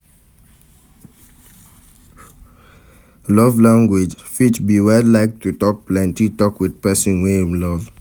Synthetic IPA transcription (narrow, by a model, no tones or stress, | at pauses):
lɔvlãŋɡwed͡ʒfitbiwɛllːaɪk̚tutɔk̚plɛ̃ntitɔkwid̥pɛsɔ̃nwemlɔv